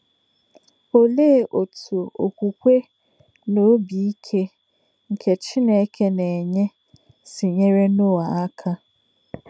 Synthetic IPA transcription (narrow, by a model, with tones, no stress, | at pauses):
o˦le˦˨ʔo˨tʰu˨o˨o˨kʷu˨kʷe˦ | no˨˦bi˨i˦kʰe˦ | ŋ̩˨kʰe˨t͡ʃɪ˦ne˨˦kʰe˦ne˨e˨ɲe˦ | sɪ˨ɲe˦ɾe˦nʊ˦a˨a˦kʰa˦